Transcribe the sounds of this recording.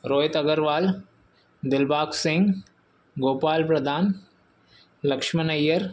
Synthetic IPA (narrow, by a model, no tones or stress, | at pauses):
ɾoːjt̪ɐɡəɾʋaːl | d̪ɪlbaːksɪ̃ŋɡ | ɡoːpaːlpɾɐd̪ʱaːn | lɐkʂmɐnɐjːəɾ